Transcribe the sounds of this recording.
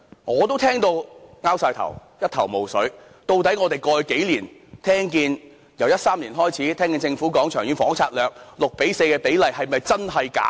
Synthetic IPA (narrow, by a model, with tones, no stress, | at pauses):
ŋɔː˨˧t̪o˥wt̪ʰɛː˥ŋt̪o˧wŋaː˥wsaː˧jt̪ʰɐ̰˨˩wjɐ˥t̚t̪ʰɐ˨˩wmo˨˩wsɵ˨˥ɥ | t̪o˧wt̪ɐ˨˥jŋɔː˨˧t̪e˨jkɔː˧˨˧ke˨˥jliː˨˩nt̪ʰɛː˥ŋk̬iː˧n | jɐ˨˩wjɐ˥t̚saː˥mliː˨˩nɦɔː˥jt͡sʰiː˨˥t̪ʰɛː˥ŋkiː˧nt͡sɪ˧ŋfuː˨˥kɔː˨˥ŋt͡ʃʰœː˨˩ŋjyː˨˥nfɔː˨˥ŋt͡sʰaː˧t̚lœː˨k̚lʊ˨k̚pe˨˥jse˧jkɛː˧pe˨˥jlɐ˨jhɐ˨jmɐ˨jt͡sɐ˥nɦɐ˨jka̰ː˨˥